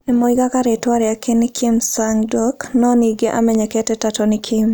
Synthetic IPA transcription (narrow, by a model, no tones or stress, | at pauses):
ɛmoiɡakaɾetwaɾɛakɪnɪkʰimsaŋdoknɔniɡeʔa̰mɛɲɛkɛtɛtatɔnɪkʰim